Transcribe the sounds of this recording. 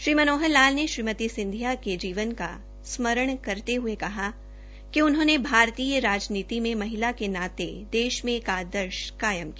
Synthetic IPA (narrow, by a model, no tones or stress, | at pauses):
ʃɾiːmənoːɦəlːaːlneʃɾiːmət̪isɪ̃nd̪ʱjaked͡ʒiːʋənka̰ | smɐɾəɽ̃kɐɾt̪eɦʊekɐɦa | kiʊnɦõːnebʱaːɾt̪iːjəɾaːd͡ʒniːt̪imẽmɐɦɪlakenaːt̪ed̪eːʃmẽkaːd̪əɾʃkaːjəmkia